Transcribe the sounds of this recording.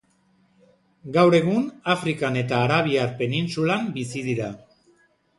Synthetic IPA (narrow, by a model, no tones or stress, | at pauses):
ɡawɾe̞ɣ̞unafɾikane̞t̪aːɾaβ̞iaɾpe̞ninsulambisiðiɾa